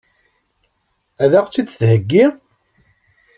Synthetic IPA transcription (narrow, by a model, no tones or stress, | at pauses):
æðæʁt͡sːid̪θhəɡːiʁ